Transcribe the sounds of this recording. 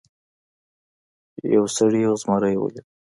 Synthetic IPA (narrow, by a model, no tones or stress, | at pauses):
ja̰wsaɽizmaɾajwə̰le